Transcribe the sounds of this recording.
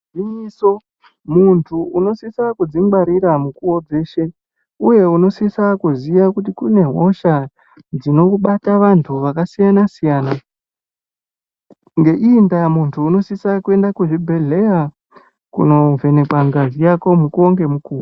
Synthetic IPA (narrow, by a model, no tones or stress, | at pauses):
ʐiso̞ | muntʰuuno̞sisakud͡ziŋɡ͡baɾiɾamukuod͡ze̞ːʃe̞ | uje̞uno̞sisakuzijakutikune̞ɦo̞ʃa | d͡zino̞uɓataʋantʰuʋakasijanasijaːna | ŋɡe̞ʔindamuntʰuːno̞sisakue̞ndakuʐibʱe̞ɮe̞ja | kṵno̞ve̞ne̞kwaŋɡazijako̞mukuoŋɡe̞mukuːo